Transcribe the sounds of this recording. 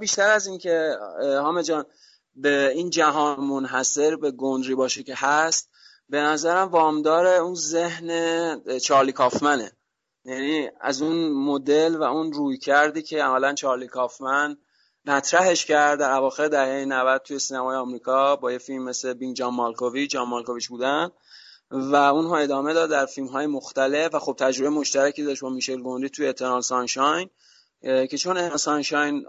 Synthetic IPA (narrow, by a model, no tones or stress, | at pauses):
biʃt̪æɾæzincʰe̞hɒːme̞d͡ʒɒːn | beind͡ʒæɦɒːnmonɦæse̞ɾbe̞ɡond̪ɾiːbɒːʃecʰeɦæst̪ | be̞næzæɾæmvɒːmd̪ɒːɾe̞unze̞hnet͡ʃʰɒːɾliːkʰɒːfmæne̞̰ | jæniːæ̰zunmo̞d̪e̞lvæunruːjcʰæɾd̪iːcʰe̞æmælænt͡ʃʰɒːɾlikʰɒːfmæn | mæt̪ʰɾæɦe̞ʃcæɾd̪d̪æɾævɒːxe̞ɾd̪æɛːjenævæd̪̚t̪ʰuje̞siːnæmɒːjeɒːmɾiːkʰɒːbɒːje̞filmːe̞slebiŋd͡ʒɒmːɑlkʰovit͡ʃɒmːɑlkovit͡ʃbuːd̪æn | væunɦɒːe̞d̪ɒːme̞d̪ɒːd̪̚d̪æɾfilmɦɒːjemoxt̪ælefvæxob̚t̪ʰæd͡ʒɾobejemo̞ʃt̪æɾæcid̪ɒʃtbɒːmiːʃe̞lɡo̞nd̪it̪ʰujeet̪ʰeɾɑnsɑnʃɒjn | cʰe̞t͡ʃʰo̞nensɑnʃɒjn